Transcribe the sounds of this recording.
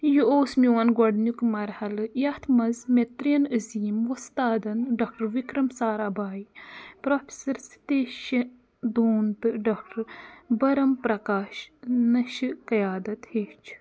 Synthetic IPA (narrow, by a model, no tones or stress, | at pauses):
juoːsmiwɐnɡɔɖnjukmɐɾhɐlɨjɐt̪ʰmɐzmet̪ɾiɐnəziːmʋust̪aːd̪ɐnɖɐk̚ʈɐɾʋikɾɐmsaːɾɐbaːjipɾoːpʰesɐɾst̪eːʃɐ | d̪oːnt̪ɨɖɐk̚ʈɐɾbɐɾɐmpɾɐkaːʃnɐʃɨkɐjaːd̪ɐt̪heːt͡ʃʰ